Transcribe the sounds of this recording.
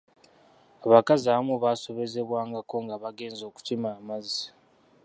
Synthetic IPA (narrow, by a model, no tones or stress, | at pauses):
aβakaziaβamuβaːso̞βe̞ze̞βwaːŋɡako̞ŋɡaβaɡe̞ːnzo̞ːku̥timaːmazsḁ